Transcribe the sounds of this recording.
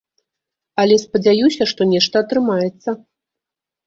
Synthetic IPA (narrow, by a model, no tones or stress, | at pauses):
ɐlʲɛspɐd͡zʲajusʲɐʂt̪ɔnʲɛʂt̪ɐːt̪ɾɨmajɛt̪sːɐ